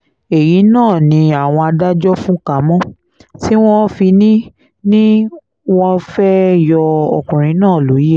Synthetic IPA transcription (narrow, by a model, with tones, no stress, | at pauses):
e˨ji˨˦nãː˦˨nĩ˧a˨w̃ɔ̃˧a˧da˦d͡ʒɔ˦fũ˦ka˨˦mɔ̃˦ | ti˦w̃ɔ̃˦fi˧nĩ˦ | nĩ˦ | w̃ɔ̃˦fɛ˦jɔ˧ɔ̰˨kũ˨ɾ̃ĩ˨˦nãː˦˨lo˨˦i˦e˦˨